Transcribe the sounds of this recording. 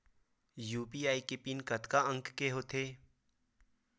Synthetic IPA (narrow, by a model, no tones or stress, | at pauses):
juːpiːaːikepɪnkət̪kaə̃ŋkkeɦoːt̪ʰeː